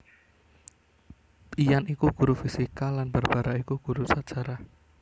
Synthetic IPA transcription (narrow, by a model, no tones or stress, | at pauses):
t̪ijanikuɡ̥uɾufisikalanb̥arb̥aɾaikuɡ̥uɾusḁt͡ʃaɾa